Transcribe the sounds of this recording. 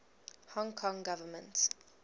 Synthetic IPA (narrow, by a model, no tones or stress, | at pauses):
hɔ̃ŋkʰɔ̃ŋɡavəmə̃nt